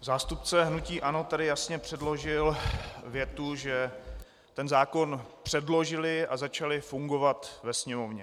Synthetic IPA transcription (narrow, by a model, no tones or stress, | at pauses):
zaːst̪up̚t͡sɛɦnuciːʔano̞t̪adɪjasɲɛpr̝̥ɛdlo̞ʒɪlvjɛt̪uʒɛ | t̪ɛnzaːko̞npr̝̥ɛdlo̞ʒɪlɪʔazat͡ʃalɪfuŋɡo̞vat̪vɛsɲɛmovɲɛ